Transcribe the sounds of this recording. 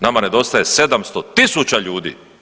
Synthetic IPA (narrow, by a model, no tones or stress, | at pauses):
namane̞d̪o̞st̪ajese̞d̪amst̪ot̪isut͡ɕaʎuːd̪ḭː